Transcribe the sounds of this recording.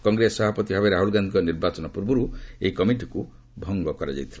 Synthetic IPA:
kɔŋɡɾesɔbʱapɔt̪ibʱabeɾaɦuɭɡand̪ʱikɔniɾbat͡ʃɔnɔpuɾbɔɾueikɔmiʈiku | bʱɔŋbɔkɔɾad͡ʒa̰jt̪ʰiba

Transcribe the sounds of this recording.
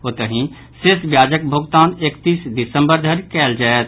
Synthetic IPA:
ɦoːt̪əɦĩ | sesbjaːd͡ʒək̚bʱʊɡt̪aːnekt̪iːsd̪ɪsə̃mbəɾd̪ʱəɾkɛːld͡ʒaːet̪

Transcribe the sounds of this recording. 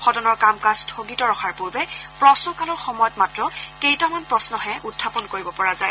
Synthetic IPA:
xɔtɔnɔɹkamkastʰoɡitɔɹɔxʰaɹpoɹbɛpɹɔsnɔkalɔɹxɔmɔjɔtmatɹɔkejtamanpɹɔsnɔɦɛʔutʰːapɔnkoɹibɔpɔɹazaj

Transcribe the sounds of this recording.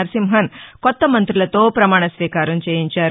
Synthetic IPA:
ɐɾsimɦɐnkɔt̪ːɐmɐnt̪ɾilɐt̪oːpɾɐmaːɳ̃ɐsʋiːkaːɾunt͡ʃeːjiɲt͡ʃa

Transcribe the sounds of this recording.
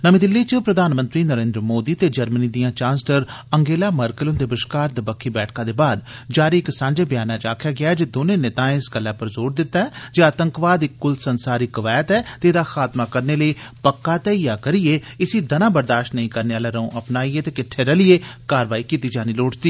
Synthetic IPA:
nəmĩːd̪ɪlːiːt͡ʃəpɾəd̪ʱaːnmə̃nt̪ɾiːnəɾẽːnd̪ɾəmoːd̪iːt̪eːd͡ʒəɾməniːd̪ijãːt͡ʃãːnsləɾəŋɡeːlaːməɾkəlʊnd̪eːbɪʃkaːɾd̪əbəkʰːiːbɛːʈʰkãːd̪eːbaːd̪d͡ʒaːɾiːɪksãːɲd͡ʒeːbɪjaːnãːt͡ʃaːkʰjaːɡɪaɛd͡ʒeːd̪oːnẽːneːt̪ãːɪsɡəlːɛːpəɾzoːɾd̪ɪt̪ːaːɛːd͡ʒaːət̪ə̃ŋkʋaːd̪ɪkːʊlsənsaːɾiːkəʋaːjət̪ɛːt̪eːd̪aːxʰaːt̪maːkəɾneːləiːpəkːaːt̪ɛːjaːkəɾijeː | ɪsiːd̪ənãːbəɾd̪aːʃʈnəĩːkəɾneːaːlɛːɾəõːʔəpnaːieːt̪eːkɪʈʰːeːɾəlɪeːkaːɾʋaːiːkiːt̪iːd͡ʒaːniːloːʈd̪iː

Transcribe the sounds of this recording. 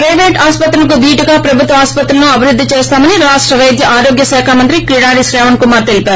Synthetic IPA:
pɾɐjʋeːʈaːspɐt̪ɾɐlɐkub̪iːʈiɡaːpɾɐbʱut̪ʋɐaːspɐt̪ɾɐnuɐbʱiɾud̪ʱːit͡ʃeːst̪aːmɐniɾaːʂʈɾɐʋɐjd̪jɐʔaːɾoːɡjɐsɛːkʰaːmɐnt̪ɾikɾiɽaːɾisɾɛːʋɐnkumaːt̪e̞lipaːɾu

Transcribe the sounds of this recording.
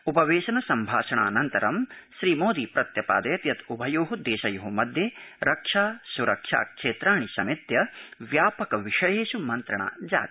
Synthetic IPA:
upɐʋeːʃɐnɐsɐmbʱaːʃɐɳa̰ːnɐnt̪ɐɾɐmʃɾiːmoːd̪iːpɾɐt̪jɐpa̰ːd̪ɐjɐt̪jɐt̪ubʱɐjoːɦud̪eːʃɐjoɦumɐd̪ʱjeːɾɐkʂaːsuɾɐkʂa̰ːkʂeːt̪ɾaːɳ̃isɐmit̪jɐʋjaːpɐkɐʋiʂɐjeːʃumɐnt̪ɾɐɳa̰ːd͡ʒa̰ːt̪

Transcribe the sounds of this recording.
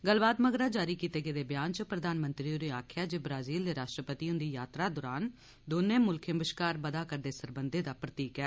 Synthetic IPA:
ɡəlbaːt̪məɡɾaːd͡ʒaːɾiːkiːt̪eːɡeːd̪eːbɪjaːnt͡ʃəpɾəd̪aːnmənt̪ɾiɾeːaːkʰjaːd͡ʒeːbɾaːziːld̪eːɾaːʃʈɾəpət̪iːʊ̃nd̪iːjaːt̪ɾaːd̪ɔːɾaːn | d̪oːnẽːmʊlkʰẽmbəʃkaːɾbəd̪aːkəɾd̪eːsəɾbənd̪eːd̪aːpɾət̪iːkɛː

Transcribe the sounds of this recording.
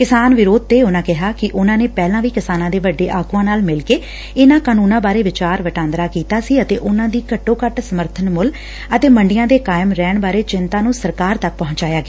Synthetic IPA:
kɪsaːnʋɪɾoːd̪̚t̪eːʊnãːkɪɦaːkɪʔʊnãːneːpɛːlãːʋiːkɪsaːnãːd̪eːʋəɖːeːʔaːɡuːãːnaːlmɪlkeː | ɪnãːkaːnuːnãːbaːɾeːʋɪt͡ʃaːɾʋəʈãːnd̪ɾaːkiːt̪aːsiːət̪eːʔʊnãːd̪iːkəʈːõːkəʈsəməɾt̪ʰənmʊl | ət̪eːməɳɖɪjãːd̪eːkaːɪmɾɛːɳbaːɾeːt͡ʃɪnt̪ãːnũːsəɾkaːɾt̪ək̚pɔ̃ɦʊ̃ɲt͡ʃaːjaːɡeː

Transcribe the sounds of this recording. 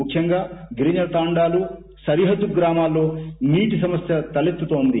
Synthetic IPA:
mukʰjɐŋɡaːɡɾiːnɐlt̪aːɳɖaːlu | sɐɾiɦɐd̪ːuɡɾaːmaːlːo̞ːniːʈisɐmɐsjɐt̪ɐlest̪ːut̪oːnd̪i

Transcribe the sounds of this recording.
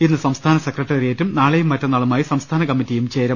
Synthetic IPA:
inːɨsɐmst̪ʰaːnɐsekrɐʈːɐɾijetːumnaːɭejumːɐtːɐnːɐːɭumaːjisɐmst̪ʰaːnɐkɐmːitːijumt͡ɕe̞ːɾɐ

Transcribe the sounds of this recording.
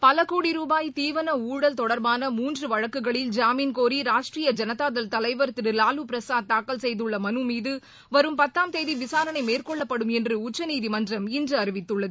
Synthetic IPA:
pɐlɐkːuːɽiɾuːbaːjt̪iːʋɐnɐuːɽɐlt̪ɔɽɐɾbaːnɐmuːndrɯʋɐɻɐkːɯɣɐɭɪld͡ʒaːmiːnkoːɾiɾaːʂʈrijɐd͡ʒɐnɐðaːðɐlt̪ɐlɐɪʋɐɾt̪ːɯɾɯlaːlɯpɪɾɐsaːd̪̚t̪ːaːkːɐlsɛjðɯɭːɐmɐnɯmiːðɯ | ʋɐɾɯmpɐt̪ːaːmt̪eːðiʋɪsaːɾɐnɐɪmeːrkɔɭːɐpːɐɽɯmɛndrɯʊt͡ʃːɐniːðimɐndrɐmɪndrɯɐɾɯʋɪt̪ːɯɭːɐðɯ

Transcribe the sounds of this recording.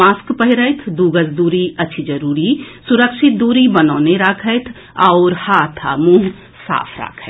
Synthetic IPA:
aːskpəɦɪɾəɪt̪ʰd̪uːɡəsd̪uːɾiətːʃʰid͡ʒəɾuːɾisuɾəkʃʰɪt̪̚d̪uːɾibənɔːneɾaːkʰəjt̪ʰ | aʊɾhaːt̪ʰa̰mũːɦ | sa̰ːpʰɾa̰ːkʰət̪

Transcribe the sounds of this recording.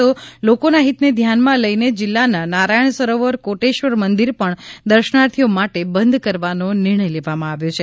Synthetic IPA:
olokonaɦit̪ned̪ʱjanmãləjned͡ʒɪlːananaɾajəɳ̃səɾoʋəɾkoʈeʃʋəɾmənd̪iɾpəɳd̪əɾʃənaɾt̪ʰijomaʈebənd̪ʱkəɾʋanonɪɾɳ̃əjleʋamãaʋjot͡ʃʰe

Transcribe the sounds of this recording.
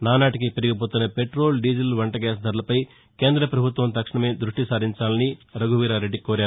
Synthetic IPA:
naːnaːʈik̬ipeɾiɡip̬oːt̪unːɐpe̞ʈɾoːlɖiːd͡ʒilʋɐɳʈɐɡaːs̬d̪ʱɐɾulɐpɐj | ke̞ːnd̪ɾɐpɾɐbʱut̪ʋɐmt̪ɐkʂɐɳɐme̞ːd̪ɾuʂʈisaːd̪iɲt͡ʃaːlɐniɾɐɡʱuʋiːɾaːɾe̞ɖːikoːɾaːɾuu

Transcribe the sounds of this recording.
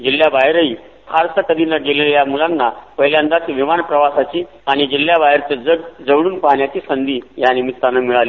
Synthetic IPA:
d͡ʑilːjabaɦɾəi | t̪ʰaɾsəkəd̪inəɡeleljamulanːapəɦljand̪at̪iʋimanpɾəʋasat͡ɕiː | aɽ̃id͡ʑilːjabajɾt͡səd͡zəd͡zəʋɽ̃uːnpaɦɳjat͡ɕiːsənd̪iːjanimit̪ːanamiɭaliː

